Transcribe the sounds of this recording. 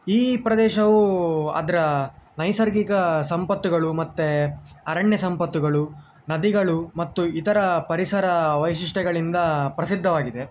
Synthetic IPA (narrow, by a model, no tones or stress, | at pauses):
iːpɾɐd̪ɛːʃɐʋuɐ̰d̪ɐɾɐnɐjsɐɾɡikɐsɐmpɐt̪ːuɡɐɭumɐt̪ːeɐɾɐɳjɐsɐmpɐt̪ːuɡɐɭu | nɐd̪iɡɐɭumɐt̪ːuit̪ɐɾɐpɐɾisɐɾɐʋɐjʃiʂʈɛɡɐɭind̪ɐpɾɐsid̪ʱːɐʋaːɡid̪e̞